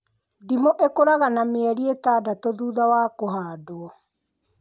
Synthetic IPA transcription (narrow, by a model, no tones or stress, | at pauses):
dimoʔekoɾaɣanameɛɾietaːdatoðuːðawaːkoɦaːdoɔ